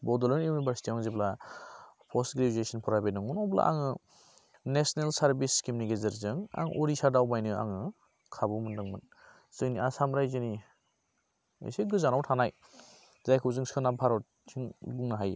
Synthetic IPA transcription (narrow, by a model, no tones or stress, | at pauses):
bɔdɔlɔniwnibʱaɾsi̥tʰiɔŋzebla | pʰɔstɡɾezuesɔnpʰɔɾajbenɔŋɔnɔbla̰ʔa̰ŋɯ | nesnelsaɾbiskimunikezɯɾzɯŋa̰ŋʔɔɾisadawbajnɯa̰ŋɯ | kʰabumɯndɯŋmɯn | z̥ɯŋniasamɾajzɯni | ḛseɡɯzanawtʰanaj | zajkʰɯwzɯŋskʰɯnapʰaɾɔt̚ | sʰiŋbuŋnaɦaj